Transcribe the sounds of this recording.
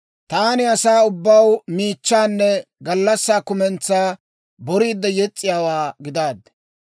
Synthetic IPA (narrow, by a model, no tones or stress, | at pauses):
t̪aːnɪɐsaːʊbːɐwmiːt͡ʃːaːnːɛɡɐlːɐsːaːkʊmɛnt͡sːaː | bɔɾiːd̪ːɐjɛt͡sʼːɪjaːwaːɡɪd̪aːd̪ːɛ̥